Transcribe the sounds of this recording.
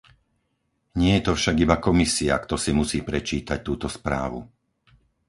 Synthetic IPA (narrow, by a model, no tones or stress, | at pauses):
ɲɪɛjɛt̪ɔfʃaɡibakɔmisia̰kt̪ɔsimusiːpɾɛt͡ʃiːt̪ac̚t̪uːt̪ɔspɾa̰ːʋṵ